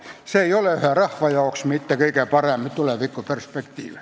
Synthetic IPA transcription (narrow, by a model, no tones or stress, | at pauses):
seeioleˑyhæˑrɑhʋɑjɑoksmit̪ːækeikæpɑreˑmpːit̪uleˑʋikːoperspekt̪ḭːʋe